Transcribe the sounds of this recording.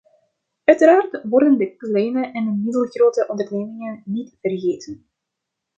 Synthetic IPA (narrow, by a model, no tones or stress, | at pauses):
œɥtəɾaːrtʋɔrdəndəklɛjnəʔɛndəmɪdəlˠɣroːtəʔɔndərneːmɪŋənnitv̥ərɣeːtən